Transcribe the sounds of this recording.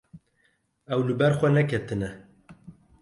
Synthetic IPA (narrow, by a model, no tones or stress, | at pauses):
ɛwlɨbɛɾxʷɛnɛkʰɛt̪ɨnɛ